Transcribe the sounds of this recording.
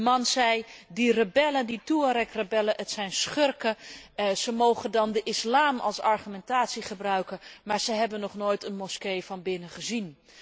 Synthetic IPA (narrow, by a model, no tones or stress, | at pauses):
əmɑnzɛjdirəbɛləndituəɾɛkrəbɛlənətsɛjnsχɵrkəzəmowχəndɑndəʔɪslaːmɑ̰lˠsɑɹχymɛntaːtsiχəbrœɥkəmaːɹz̥əɦɛbənːɔχnoːjtənmɔskejvɑnbɪnəχəzin